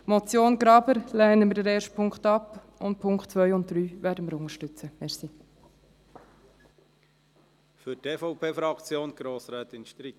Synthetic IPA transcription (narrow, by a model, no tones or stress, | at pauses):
mɔt͡sjoːnɡɾɑbəɾlɛːnəməɾdɛɾɛːrʃt̚pʰʊŋkχtɑp | ʊnt̚pʰʊŋkχtt͡sʋœʏʊnt̚d̥ɾyːvæːdəməɾʊŋəɾʃtʏt͡səmɛsi | fʏɾtʰeːfɔʊpʰeːfɾɑkt͡sjoːnɡ̥ɾoːsɾɛːt̪ɪnʃt̪ɾi